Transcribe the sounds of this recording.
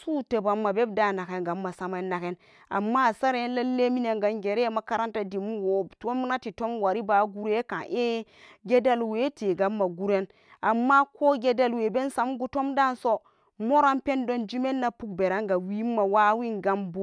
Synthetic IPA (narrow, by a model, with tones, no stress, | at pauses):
su˦tə˨ba˨mːa˨be˦b̚da˦˨na˨ke˨˦ɡa˨mːa˨sa˦ma˦nːa˨ke˦n | a̰˨mːa˦˨sa˦ɾe˦nla˦lːe˦mi˦ne˨ŋɡa˨nɡe˨ɾe˦ma˨ka˦ɾa˦nta˦di˨mu˦wo˨˦to˦m˦na˦ti˨to˦mwa˨ɾi˦ba˦ɡu˦ɾe˦ka̰˨ʔe˦ɡe˦da˦lwe˦te˨ɡa˨˦mːa˨ɡu˦ɾe˦n | a˨mːa˦ko˦ɡe˦da˦lwe˨be˦nsa˨˦mɡu˦to˦mda˦˨nso˦ | mo˦ɾa˦npe˦ndo˦nd͡ʒi˦me˦nːa˦pu˦k̚be˨ɾa˦ŋɡa˨wi˦mːa˨wa˦wi˦ŋɡa˨˦mbo˦